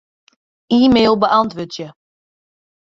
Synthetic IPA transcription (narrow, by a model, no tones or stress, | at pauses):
iːmeːlˠbəʔɑntʋøːtjə